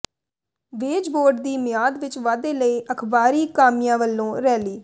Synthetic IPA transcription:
ʋeːd͡ʒboːɾɖ̚d̪iːmɪjaːd̪ʋɪt͡ʃʋaːd̪eːləiːʔəkʰbaːɾiːkaːmɪjãːʋəlːõːɾɛːliː

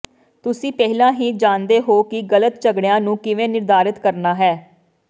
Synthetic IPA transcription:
t̪ʊsĩːpɛɦlãːɦĩːd͡ʒãːnd̪eːɦoːkɪɡələt̪t͡ʃəɡɽɪjãːnũːkɪʋẽːnɪɾd̪aːɾɪt̪kəɾnaːɦɛː

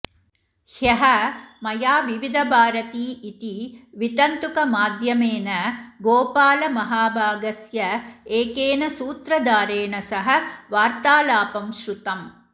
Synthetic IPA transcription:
hjɐɦɐmɐjaːʋiʋid̪ʱɐbʱaːɾɐt̪iːit̪iʋit̪ɐnt̪ukɐmaːd̪ʱjɐmeːnɐɡoːpaːlɐmɐɦaːbʱaːɡɐsjɐeːkeːnɐsuːt̪ɾɐd̪aːɾeːnɐsɐɦɐ̆ʋaːɾt̪aːlaːpɐmʃɾut̪ɐm

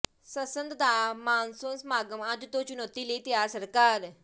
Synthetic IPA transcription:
səsənd̪d̪amaːnsonsmaːɡəmãd͡ʑ̪ut̪ot͡ʃunot̪ilit̪jasəɾkaːɾ

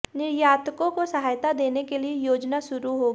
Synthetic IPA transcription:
nɪɾjaːt̪kõkosɐɦaːjt̪ad̪eːnekeliejoːd͡ʒnaʃʊɾuɦoːɡiː

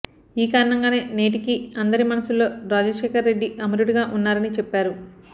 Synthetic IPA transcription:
iːkaːɾɐɳɐŋɡaːne̞ːne̞ːʈikiɐnd̪ɐɾimɐnɐsulːo̞ːɾaːd͡ʒɐʃeːkɐɾːe̞ɖːiʔɐmɐɾuɽiɡaːʔunːaːɾɐnit͡ʃɛpːaːɾu

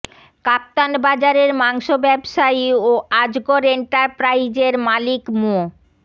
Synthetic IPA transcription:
kap̚t̪anbad͡ʑaɾeɾmaŋʃobɛbʃaioad͡ʑɡoɾeɳʈaɾpɾajd͡ʑeɾmalikmo

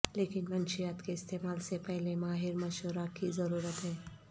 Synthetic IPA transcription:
leːkɪnmənʃijaːt̪keɪst̪eːmaːlsepɛɦlemaːɦɪɾməʃʋəɾakizəɾuːɾət̪ɦɛː

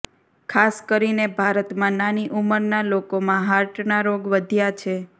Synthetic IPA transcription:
kʰaskəɾinebʱaɾət̪mãnaniʔuməɾnalokomãɦaɾʈnaɾoɡʋəd̪ʱjat͡ʃʰe

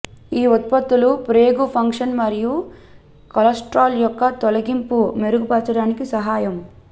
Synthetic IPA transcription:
iːɔt̪̚pɐt̪ːulupɾeːɡupʰɐŋkʂɐnmɐɾiju | kɐlɐsʈɾaːljɔkːɐt̪ɔlɐɡimpume̞ɾuɡupɐɾt͡ʃɐɽaːnikisɐɦaːjɐm

